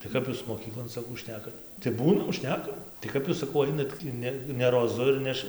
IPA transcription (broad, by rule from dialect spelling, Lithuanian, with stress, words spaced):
tɐɪ ˈkɐp juːs moːˈkʲiːklˠoːn sɐˈkɐʊ ˈʃʲnʲæːkɐt tɐɪ ˈbuːnɐm ˈʃʲnʲæːkɐm tɐɪ ˈkɐp juːs sɐˈkɐʊ ˈɐɪnɐt tʲiː ˈnʲɛ nʲɛ roːˈzʊ ɪr ˈnʲɛʃ